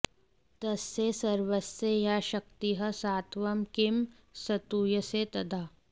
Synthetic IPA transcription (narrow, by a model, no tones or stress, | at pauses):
t̪ɐsːesɐɾʋəsːejaːʃɐk̚t̪iɦɐsaːt̪ʋɐmkɪm | sɐt̪uːjəset̪ɐd̪ʱaː